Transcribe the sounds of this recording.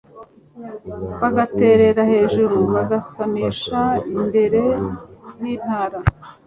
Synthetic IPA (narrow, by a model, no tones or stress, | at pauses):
βaɡate̞ːɾe̞ɾahe̞ːʒuɾuβaɡasamiːʃainde̞ɾe̞jiːn̥haːɾa